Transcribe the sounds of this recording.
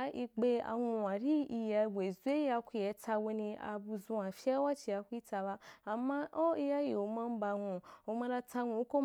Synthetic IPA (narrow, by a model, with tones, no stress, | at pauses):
a˧i˧ɡ͡be˧a̰˧ŋũ˧a˨ɾi˦i˧ja˧we˨zu˧˦e˦a˧kʷi˧je˧˦ta˧we˧nĩ˧a̰˧bu˧zũ˧a˨fi˦a˦wa˦t͡ʃi˧a˧kʷu˦i˦ta˧ba˧a˨mã˦ʔo˦i˧ja˧ji˨o˨mã˧m̩˦ba˧ŋũ˧o˧mã˧ɾa˧ta˧ŋʷũ˧˦ko˦